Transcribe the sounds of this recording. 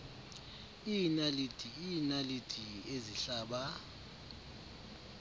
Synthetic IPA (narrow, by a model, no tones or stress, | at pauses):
inalid̥ʱʼiinalidʰʼʱieziɬaːɓa